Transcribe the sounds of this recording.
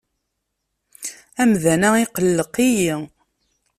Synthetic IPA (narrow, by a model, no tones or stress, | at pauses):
æmðænæiqəlːəqiji